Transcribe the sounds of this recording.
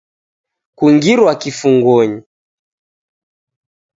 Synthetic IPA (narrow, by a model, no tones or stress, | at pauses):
kuŋɡiɾwakifuŋɡwɔɲi